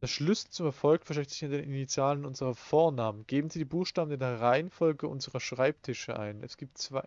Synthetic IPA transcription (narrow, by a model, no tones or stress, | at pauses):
d̥aɐʃlʏsl̩t͡sʊmɛɐfɔlkfɛɐʃɛktz̥ɪçɪndeːnʔinit͡sjaːlənʔʊnzəʁɐfoːɐnaːmənɡ̥eːbm̩ziːdiːbuːxʃtaːbn̩deːɐʁaɪənfɔlɡəʔʊ̰nzəʁɐʃʁ̥aɪp̚tʰɪʃəʔa̰ɪnɛ̰sɡ̥iːp̚tt͡sv̥a